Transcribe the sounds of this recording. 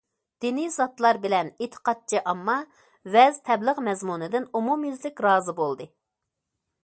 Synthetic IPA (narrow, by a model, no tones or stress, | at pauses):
d̪̥inizɑt̪lˠɑɾbɪlɛnet̪ʰə̥qɑt̪̚t͡ʃʰiʔɑmːɑ | vɛzt̪ʰɛbləʁmɛzmunɨd̪ɪnumumjyzlɪkʲɾɑːzɨbolˠd̪ɨ